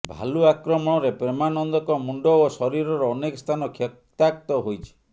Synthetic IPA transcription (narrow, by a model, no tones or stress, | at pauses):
bʱa̰luakɾɔmɔɽ̃ɔɾepɾemanɔnd̪ɔkɔmuɳɖɔosɔɾiɾɔɾɔːnekɔst̪ʰanɔkʰjɔ | t̪akt̪ɔɦojt͡ʃʰi̥